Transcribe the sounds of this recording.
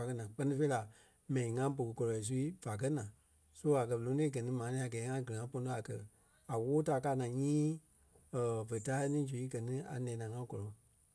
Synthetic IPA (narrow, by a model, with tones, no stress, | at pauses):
a˨kɜ˧˦nãː˨˦k͡pɜ˧nĩ˧fe˧i˦la˨ | mɛ̃˨nĩ˨ŋã˦bo˨kə˨kɔ˧lɔ˨i˨s̬u˧i˦v̥a˨k̬ɜ˦nãː˨ | su˦a˨kɜ˧˨õ˨˦ẽ˦ɡɜ˨nĩ˦mãː˨˦nĩː˦a˨ɡɛː˨˦ŋã˦ɡɨ˨ŋã˨˦po˧no˧˦a˨kɜ̰˧ | a˨woː˦ta˨˦˨kaː˧˦nã˨ɲĩː˦ | ə˨və˨ta˦nĩː˦d͡ʒu˨i˦ɡɜ˨nĩ˦a̰˨nɛ̃ː˨˦nã˨ŋã˦kɔ˨lɔ˨